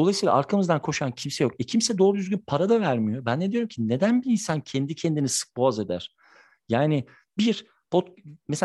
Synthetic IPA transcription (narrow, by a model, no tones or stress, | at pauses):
d̪oajsɯjlˠa̰aɾkʰamɯzd̪ankʰo̞ʃancʰimsɛjo̞kɛcʰimsɛd̪o̞ːɾud̪yzʲɡynpʰaɾad̪avæɾmijo̞bænːed̪ijo̞ɾumcʰinːe̞d̪ænbiinsancʰɛnd̪icʰɛnd̪inisɯ̥k̚boaze̞d̪æ̰ɾ̥ | jaːnɪ | biɾ | bʰot̪mese